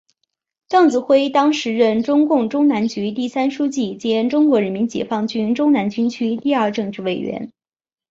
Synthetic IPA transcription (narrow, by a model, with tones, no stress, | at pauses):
ʈ͡ʂɑ˥˩ŋt͡sɹ̩˧˩xwe˥ɪt̪ɑ˥ŋʂɻ̩˧˥ɻə˥˩nʈ͡ʂʊ˥ŋkʊ˥˩ŋʈ͡ʂʊ˥ŋna˧˥nt͡ɕy˧˥t̪i˥˩sa˥nʂu˥t͡ɕi˥˩t͡ɕjɛ˥nʈ͡ʂʊ˥ŋkwɔ˧˥ɻə˧˥nmi˧˥nt͡ɕjɛ̰˨˩fɑ˥˧ŋt͡ɕy˥nʈ͡ʂʊ˥ŋna˧˥nt͡ɕy˥nt͡ɕʰy˥t̪i˥˧ɐ˞˥˧ʈ͡ʂɤ˥˧ŋʈ͡ʂɻ̩˥˩we˥˩ɪɥɛ̰˧˥n